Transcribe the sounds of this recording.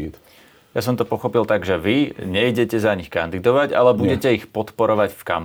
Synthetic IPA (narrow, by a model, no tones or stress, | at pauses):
t̪ | jasɔmt̪ɔpɔxɔpilt̪aɡʒɛʋiɲɛjɟɛcɛzaɲixkand̪id̪ɔʋaɟa̰lɛbuɟɛcɛixpɔt̪pɔɾɔʋaɟfka̰m